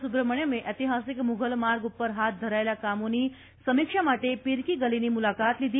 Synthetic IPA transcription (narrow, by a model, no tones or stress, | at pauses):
subɾəməɳjəmeʔət̪iɦasikmuɡʱəlmaɾɡupːəɾɦat̪̚d̪ʱəɾajljakamuniː | səmikʂamaʈepiɾkiɡəliniːmulakat̪lid̪iː